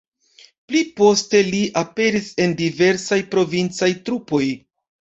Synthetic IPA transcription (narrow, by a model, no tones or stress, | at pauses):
plipo̞ste̞liʔape̞ɾise̞ndive̞ɾsajpɾo̞vint͡sajtɾupo̞j